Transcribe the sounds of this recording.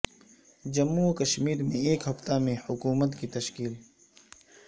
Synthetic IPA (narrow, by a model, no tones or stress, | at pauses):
d͡ʒɐmːukɐʃmiːɾmẽeːkhɐft̪amẽhʊkuːmət̪kit̪ɐʃkiːl